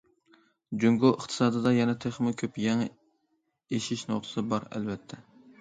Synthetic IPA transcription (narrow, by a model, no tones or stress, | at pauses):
d͡ʒyŋɡoʔəχt̪ʰɨ̥sɑːd̪ɨd̪ɑjɛnɛt̪ʰeχmɨkʲʰøpjɛŋ | eʃiʃnoq̪ʰɨsɨbɑɾɛ̰lvɛt̪ʰːɛ